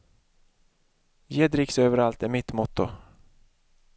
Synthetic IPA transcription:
jeːd̪ɾɪksøːvəɾalt̪ɛmɪt̪mɔt̪ːʊ̰

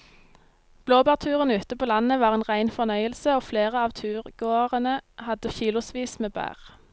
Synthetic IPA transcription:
b̥loːbæːʁt̪ʰʉːʁənʉːt̪əpʰoːlɑnəʋɑːʁeːnʁæɪnfɔʁnœʏəlsəoːfleːʁəɑːʋt̪ʰʉːʁɡ̥oːʁənəhɑd̪əçiːlʊsʋiːsmeːbæ̰ːʁ

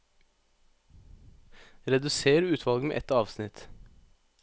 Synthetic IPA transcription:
ɾɛd̪ʉseːɾəʉːt̪ʰʋɑlɡmḛːʔɛt̪ɑːʋsnɪt̪

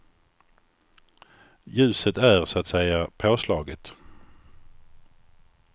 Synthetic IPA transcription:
jʉ̟ːsət̪æɾsat̪sɛjapʰoːslɑːɡət̪

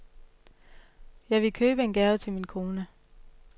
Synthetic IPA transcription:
jɑ̈ɪʋe̝kʰøːb̥əe̝nɡ̥æɐʊt͡sʰe̝lminkʰo̝ːnə

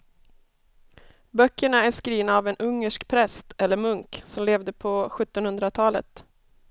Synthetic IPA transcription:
bœkːəɳaæʂkɾiːvnaːvɛnʔɵŋːəʂkpʰɾɛst̪ʰɛlːəɾmɵŋksɔmleːvd̪əpʰɔɧɵt̪ːɔnhɵnd̪ɾat̪ʰɑːlə̰t̪

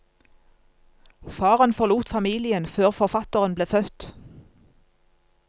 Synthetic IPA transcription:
fɑːʁənfɔʁluːt̪fɑmiːlɪənføːʁfɔʁfɑt̪əʁənbleːfœt̪

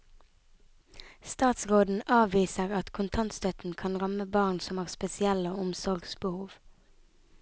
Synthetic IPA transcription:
st̪ɑːt̪sʁoːd̪n̩ʔɑːʋiːsəʁɑt̪kʰʊnt̪ʰɑnt̪st̪œt̪n̩kʰɑnʁɑməbɑːʁnsɔmæːʁspɛsɪɛloːʊmsɔʁɡsbəhuːʋ

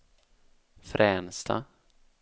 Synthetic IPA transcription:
fɾʔɛːnst̪ʰa̰

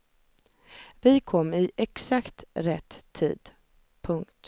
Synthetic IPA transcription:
vɪkʰɔmːɪʔɛksakt̪ɾɛt̪ʰːḭːd̪̥ | pʰɵŋkt̪

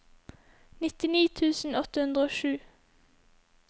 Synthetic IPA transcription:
nɪt̪ɪniːt̪ʰʉːsn̩ɔt̪əhʉnd̪ʁəoːʃʉː

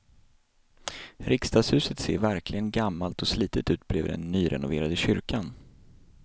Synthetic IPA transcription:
ɾʔɪkst̪ɑːɡshʉ̟ːsət̪sḛːɾvæɾklɪɡənɡamːalt̪ɔsliːt̪ət̪ʉ̟ːt̪̚bleːvd̪ɛ̰nːyːɾɛ̰nʊveːɾad̪əɕʏɾkan

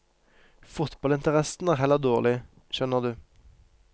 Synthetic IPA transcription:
fʊt̪bɑlɪnt̪əʁɛsn̩æːʁhɛləʁd̪oːʁlɪ | ʃœnəʁd̪ʉː

